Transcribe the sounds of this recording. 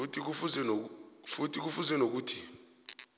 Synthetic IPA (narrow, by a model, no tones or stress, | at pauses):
utʰik̬ufuzɛfutʰik̬ufuzwɛnok̬uːtʰi̥